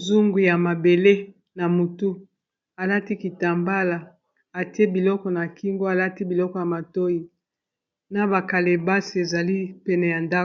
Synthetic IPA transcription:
zu˦ŋɡu˨ja˨ma˨be˨le˦ | na˨mu˨tu˦ | a˨la˦ti˦ki˨ta˨mba˦la˨ | a˨te˦bi˨lɔ˦kɔ˦na˨ki˦ŋɡo˦a˨la˦ti˦bi˨lɔ˦kɔ˨ja˨ma˨to˦ji˨ | na˨ba˨ka˨le˨ba˦si˨e˨za˨li˦pɛ˦nɛ˨ja˨nda˦˨

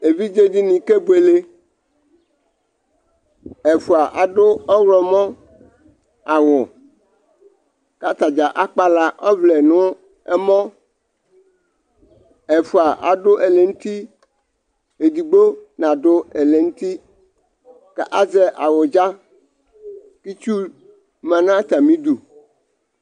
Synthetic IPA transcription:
e˨vi˦d͡ʒe˦di˦nĩ˨ke˦bu˦e˨le˦ | e˨fu˨a˨ʔa˨dʊ˦ɔ˦wɾɔ˨mɔ̃˦ | a˨wʊ˨ | ka˦t̪a˨d͡ʒa˨ʔa˦k͡pa˦la˦ʔɔ˦vle˨nʊ̃˦ | ɛ˦mɔ̃˦ | ɛ˨fʊ˨a˨ʔa˨dʊ˦ʔɛ˨le˨ŋu˦t̪i˦ | e˨d̪i˨ɡ͡bo˦nã˨dʊ˦ɛ˨le˨ŋu˦t̪i˦ | ka˦ʔa˦zɛ˨ʔa˨wʊ˨d͡ʒa˦ | ki˦t͡ʃu˦ | mã˨nã˦t̪a˨mĩ˦d̪u˨

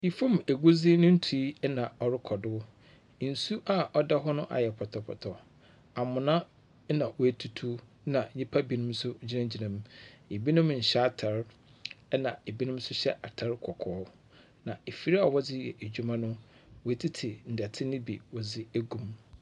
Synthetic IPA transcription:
i˨fõ˦me˨ɡu˦zi˦nʊ̃˦n̩˦tʰu˨i˦nã˨ɔ˨ɾɪ˦kʰɔ˨dʊ˦˨ | n̩˨su˦ʔa˦ʔɔ˦da˦ɦɔ˦nʊ̃˦ʔa̰˨jɛ˨pʰɔ˨tʰɔ˨pʰɔ̰˨tʰɔ˨ | a˨mʊ̃˨nã˦ | nã˨wɔ˨æ˨tʰu˨tʰu˦ | nã˨˦ɲɪ̃˦pʰa˦bi˨nʊ̃˦m˦sʊ˦d͡ʑi˦nã˦d͡ʑi˨nã˨m˦e˨bi˦nʊ̃˦m̩˨ɕa˦˨tʰa˨ɾ | ɛ˦nã˨e˨bi˦nʊ̃˦m˦sʊ˦ɕɛ˦ʔa˨tʰa˨˦ɾkʰɔ˨kʰɔː˨˦ | nã˨e˨fi˨ɾi˦a˨wɔ˦d͡zɪ˦jɛ̰˨e˨d͡ʑᶣu˦mã˦nʊ̃˦ | wɔ˨æ˨tʰi˦tʰi˨n̩˨dɛ˨tʰɪ˦nɪ̃˦bi˨wɔ˨d͡zɪ˦æ˦ɡũ˦m

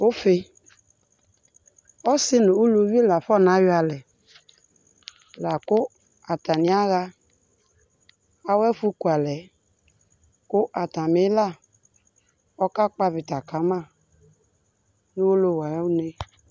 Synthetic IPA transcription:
o˦fɪ˦ | ɔ˦sɪ˦nʊ˨o˦lo˨˦vi˦e˦la˨fɔ˦˨na˨˦jʊ˦a˨lɛ˨ | la˨kʊ˦ | a˨ta˨nɪ˨˦a˦ɣa˦ | a˨˦wɛ˦fu˦ku˨a˨lɛ˨ | kʊ˦ʔa˨ta˨me˦la˦˨ | ɔ˦ka˦k͡pa˦vɪ˨ta˨ka˨˦ma˦˨ | nʊ˦o˦lo˦˨wa˨jɔ˦ne˦

